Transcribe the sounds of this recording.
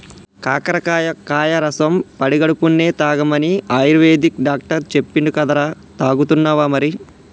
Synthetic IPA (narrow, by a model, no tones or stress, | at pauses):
kaːkɐɾɐkːjɐkaːjɐɾɐsɐmpɐɽiɡɐɽupunːe̞ːt̪aːɡɐmɐniɐjɾʋeːd̪ik̚ɖaːk̚ʈɐɾt͡ʃe̞pːiɳɖukɐd̪ɐɾa | t̪aːɡut̪unːaːʋaːmɐɾi